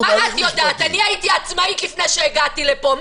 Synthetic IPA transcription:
aazjod̪aːt̪aniait̪iat͡smaikifnejʃeːɡat̪ilepo̞m

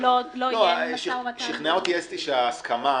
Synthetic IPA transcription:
lloaʃiʃiχneaot̪iest̪iʃeaːskama

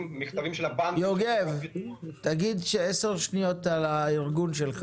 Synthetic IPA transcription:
miχt̪avimʃelabanjoɡevt̪aɡid̪ʃeese̞ʁʃnijo̞t̪alaiʁɡunʃelk

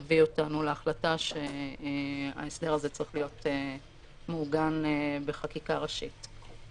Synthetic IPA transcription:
vio̞tanuleaχlataʃe̞ | a̰esde̞ʁazet͡sʁiχlijo̞te | muɡanbe̞χakikaʁaʃḭt

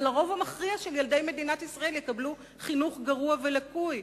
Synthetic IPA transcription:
laʁo̞vamaχʁiaʃeljald̪e̞jme̞dinat̪isʁae̞ljekablu | χinuχɡaʁuave̞lakuj

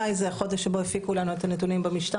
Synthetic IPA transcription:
ajzeaχo̞deʃebo̞efikulanuet̪anet̬unimbamiʃta

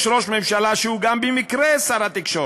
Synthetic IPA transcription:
ʃɾo̞ʃmemʃalaʃeuɡambemikɾesaɾat̪ikʃo

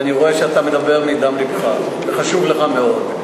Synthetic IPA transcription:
niʁoeʃeat̪amed̪abe̞ʁmid̪amlibχa | veχaʃuvleχameo̞d̪

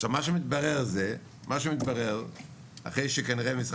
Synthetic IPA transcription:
ʃabmaʃemit̪̚baʁɛʁzɛ | mʔaʃ̬emit̪̚baʁɛʁ | a̰χeɪʃekaniʁemisʁ

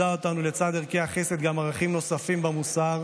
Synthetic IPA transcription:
aot̪anule̞t͡sad̪eʁkeaχe̞se̞t̪̚ɡamaʁaχimno̞safimbamusaʁ

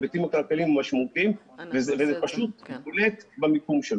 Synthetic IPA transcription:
betimakalkalimmaʃmaut̪im | vezevezepaʃut̪̚bolet̪bamikumʃel

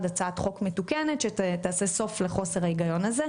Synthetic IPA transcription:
dat͡saatχo̞kmetukene̞tʃetaːseso̞fleχo̞seʁaeɡajo̞naze

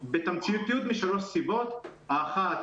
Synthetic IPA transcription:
bet̪amt͡sijut̪ːijut̪miʃaɾot̪sibot̪aːχa

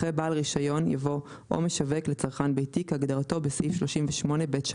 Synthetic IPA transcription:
ebaːlʁiʃajo̞nja̰vo̞ | ʔo̰me̞ʃaveklet͡saʁχanbejtikaɡdaʁato̞besifʃlo̞ʃimveʃmo̞ne̞betʃ

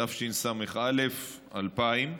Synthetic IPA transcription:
afʃinsameχʔalef | alpaim

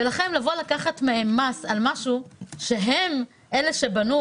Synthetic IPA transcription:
elaχe̞mlavo̞lakaχatmeemasalmaʃuʃe̞ɦe̞m | ʔe̞le̞ʃe̞banu

